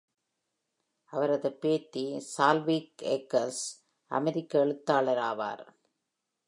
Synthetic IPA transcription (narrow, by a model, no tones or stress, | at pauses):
ʔɐʋɐɾɐðɯpːeːt̪ːisaːlʋiːkekːɐls | ʔɐ̰mɛɾɪkːɐɛɭɯt̪ːaːɭɐɾaːʋa̰ːɾ